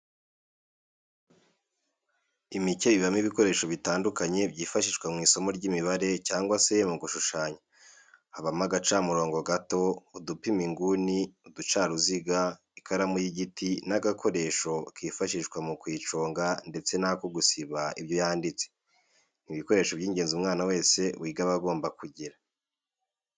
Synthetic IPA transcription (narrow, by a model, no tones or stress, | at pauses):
imice̞βiβamiβiko̞ɾe̞ːʃo̞βitaːndukaɲe̞bɟiːfaʃiʃɡwamŋiːso̞mo̞ɾɟiːmiβaɾe̞caːŋɡwase̞muɡuʃuʃaːɲa | haβamaɡat͡ʃamuɾo̞ːŋɡo̞ɡato̞udupimiŋɡuniudut͡ʃaːɾuziɡa | ikaɾamujiɟitʰinaɡakʰo̞ɾe̞ːʃo̞kiːfaʃiʃɡwamukwiːt͡ʃo̞ːŋɡande̞t͡se̞nakoɡusiβaiβjo̞jaːndit͡se | n̥iβiko̞ɾe̞ːʃoβɟiːɲɟe̞ːnzumŋaːnawe̞ːse̞wʔiːɡaβaɡo̞ːmbakuɟiɾa